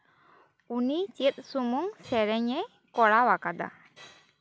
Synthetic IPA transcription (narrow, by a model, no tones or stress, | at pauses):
unit͡ʃit̪̚ˀsumuŋsɛɾɛɲɛ | kɔɽawakad̪a̰